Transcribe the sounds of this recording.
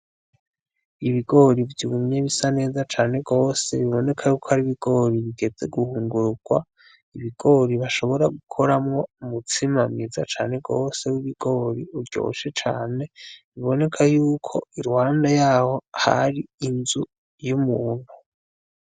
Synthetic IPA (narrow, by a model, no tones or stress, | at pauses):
iβiɡo̞ɾivjuumɲeβisane̞ːzat͡ʃaːne̞ɡo̞ːse̞βiβo̞ne̞kʰajuːkʰohaɾiβiɡ̥o̞ɾiβiɡe̞d͡ze̞ɡuhuːŋɡuɾuɡ̥wa̰ | iβiɡ̥o̞ɾiβaʃo̞βo̞ɾaɡukʰo̞ɾamŋo̞umut͡simamiza̰t͡ʃaːne̞ɡo̞ːse̞wiβiɡ̥o̞ɾiuɾɟo̞̰ːʃet͡ʃaːne̞βiβo̞ne̞kʰajuːkʰo̞̰iɾwaːndajaːho̞ha̰ɾiinzu | jumuːn̥hu